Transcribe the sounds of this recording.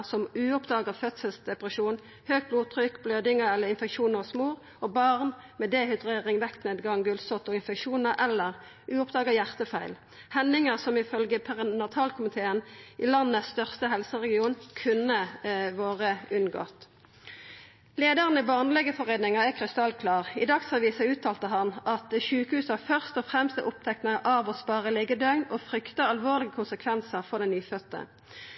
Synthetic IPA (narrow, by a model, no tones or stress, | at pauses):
sɔmʉːɔpd̪ɑːɡɑfœt̪səlsd̪ɛpʁəʃuːn | høːɡ̚bluːt̪ʰʁʏkbløːd̪ɪŋəʁɛlːəɪnfɛkʃuːnəʁsmuːʁ | ɔbɑʁnmɛd̪eːhʏd̪ʁeːʁɪŋʋɛkt̪neːd̪ɡɑŋɡʉlsɔt̪ɔɪnfɛkʃuːnəʁʔɛlːəʁ | ʔʉːɔpd̪ɑːɡɑjæʁt̪əfæɪl | hɛnːɪŋəʁsɔmɪfœlɡəpʰæʁənɑt̪ʰɑlkʰʊmɪt̪ʰeːənʔilɑnːəst̪œʁst̪əɦɛlsəʁɛɡɪuːnkʰʉnəʋoːʁəʉnɡɔ̰t̪ | leːd̪əʁənibɑːʁnlɛɡəfɔʁeːd̪nɪŋɑɛkʰʁɪst̪ɑlkʰlɑːʁɪd̪ɑksɑʋiːsɑʉːt̪ʰɑːlt̪əɦɑnʔɑt̪ʃʉːkəhʉːsɑfœʁst̪ɔfʁɛmst̪ʔʊp̚t̪ʰɛk̚t̪nɑŋʔɑʋɔspɑːʁəlɛɡəd̪œʏnɔfʁʏkt̪əɑlʋoːʁlɪɡəkʰʊnsəkʰʋɛnsəʁfɔʁd̪ɛnyːfœt̪ːə̰